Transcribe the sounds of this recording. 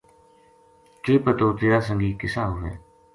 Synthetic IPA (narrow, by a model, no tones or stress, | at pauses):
ʈːpət̪oːt̪eːɾaːs̬ə̃ŋɡiːkɪsaːɦʊʋḛː